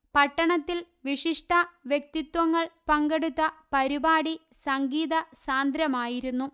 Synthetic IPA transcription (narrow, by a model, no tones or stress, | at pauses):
pɐʈːɐɳɐt̪ːil | ʋiʂiʂʈʰɐʋjek̚t̪it̪ʋɐŋːɐɭpɐŋɡeɽut̪ːɐpɐɾibaːɽisɐŋɡiːðɐsaːnd̪ɾjɐmaːjiɾunːu